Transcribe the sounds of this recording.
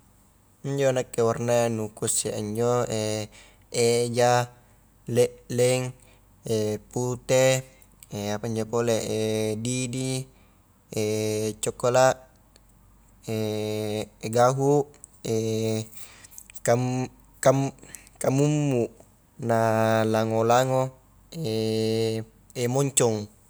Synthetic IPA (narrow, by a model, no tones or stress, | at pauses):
iɲd͡ʒonakːewarnanukuseaɲd͡ʒoe | ed͡ʒa | leʔlɛŋ | eput̪e | eapaiɲd͡ʒopoleʔedidi | et͡ʃɔkːolaʔ | e | ɡaɦuʔ | e | ka | kam | kamumːuʔ | nalaŋolaŋo | e | emɔɲt͡ʃɔŋ